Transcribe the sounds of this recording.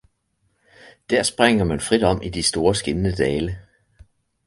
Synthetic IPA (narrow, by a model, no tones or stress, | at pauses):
d̥æɐ̰sb̥ʁaŋ̰ɐmænfʁid̥ɒ̽m̰ʔid̥isd̥o̝ːɐsɡ̥e̝nnəd̥ɛːlə